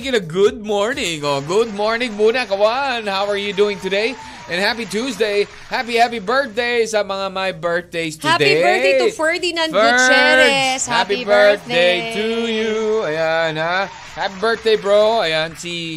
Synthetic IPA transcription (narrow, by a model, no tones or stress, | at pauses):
kɪ̃nəɡʊd̚mɔɹnɪ̃ŋɔɡʊd̚mɔɹnɪ̃ŋmunɛkəwʌnhaʊəɹjɨduɪ̃ŋt̪ɨdeɪ | ʔɨ̃nhæpituzdeɪ | hæpihæpibɜ˞θ̚d̪eɪsɐmʌŋamaɪbɜ˞θ̚d̪eɪst̪ʰɨd̪eefə˞dinãnt͡ʃɛhæpibɜ˞θd̪eɪt̪ujuajana | hæpibɜ˞θ̚d̪eɪbɹoʊajansi